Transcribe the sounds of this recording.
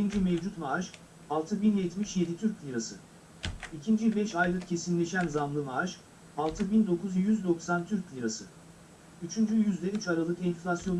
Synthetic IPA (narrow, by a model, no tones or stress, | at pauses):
iind͡ʒymevd͡ʒut̪maʒ | alˠt̪ʰɯbinjɛt̪miʃje̞d̪it̪ʰyɾclʲiɾasɯ | icʰind͡ʒybɛʃajlˠɯkcʰe̞sinlʲe̞ʃænzamlˠɯmaʒ | alˠt̪ʰɯbind̪o̞kʰuzjyzd̪o̞ksant̪ʰyɾclʲiɾasɯ | yt͡ʃʰynd͡ʒyjyzd̪ɛyt͡ʃaɾalˠɯkɛnflʲasjo̞n